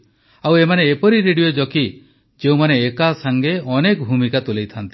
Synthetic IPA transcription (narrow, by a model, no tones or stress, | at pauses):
awemaneːpɔɾiɾeɽijod͡ʒɔki | d͡ʒeumaneːkasaŋɡeɔnekɔbʱumikat̪ulejt̪ʰant̪i